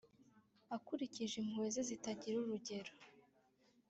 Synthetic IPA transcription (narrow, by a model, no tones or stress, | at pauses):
akuɾiciʒimwe̞ːzezitaɟiɾuɾuɟe̞ɾo